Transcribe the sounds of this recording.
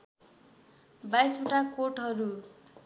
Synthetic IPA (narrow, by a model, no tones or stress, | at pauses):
bajsuʈakoʈɦʌɾu